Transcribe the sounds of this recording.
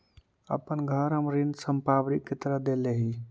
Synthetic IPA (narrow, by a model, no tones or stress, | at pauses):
ə̰pənɡʱəɾɦəmɾind̪səmpabɾikːet̪əɾəd̪eleɦi